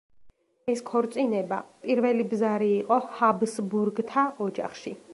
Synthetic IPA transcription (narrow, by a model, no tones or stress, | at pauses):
ɛskʰɔɾt̪sʼinɛba̰pʼiɾvɛlibzaɾiːqʼɔhabsbuɾɡt̪ʰaʔɔd͡ʒa̰χʃi